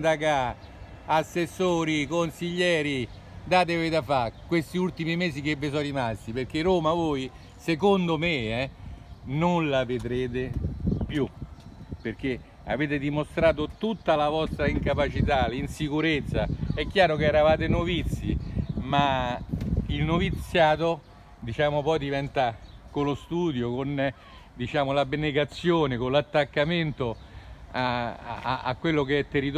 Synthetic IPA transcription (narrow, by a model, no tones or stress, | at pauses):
d̪aka | asːesːoːɾikonsiʎːɛːɾi | d̪aːt̪̬evejd̪afakːwest̪iult̪imimeːsik̟evːɪsɔɾimast̪iperk̟ːeroːmavoːj | sekond̪omeɛ | nonlaved̪ɾeːt̪̬epju | perk̟e | a̰veːt̪ed̪imost̪ɾaːt̪̬ot̪ut̪ːalavɔst̪ɾaiŋkapat͡ʃit̪alinsikuɾet̪sːaɛkːjaːɾokeɛːɾavaːt̪enovit̪sːjima | ilnovit̪sːjaːt̪o | d̪it͡ʃaːmopɔjd̪ivɛnt̪akolost̪uːd̪jokon | d̪it͡ʃaːmolabeneɡat̪sːjoːnekolat̪ːakːament̪o | aaa̰kːwelːokeɛt̪ːerit̪